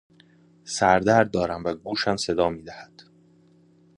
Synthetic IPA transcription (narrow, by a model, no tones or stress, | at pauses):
sæɾd̪æɾd̪̚d̪ɒːɾæmvæɡuːʃæmse̞d̪ɒːmiːd̪æhæd̪̥